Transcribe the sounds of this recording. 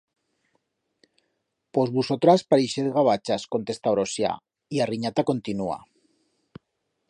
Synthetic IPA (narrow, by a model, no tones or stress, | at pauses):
pozβusot̪ɾaspaɾiʃet̪ɣaβ̞at͡ʃaskont̪est̪awɾosja̰ | iariɲat̪akont̪inua̰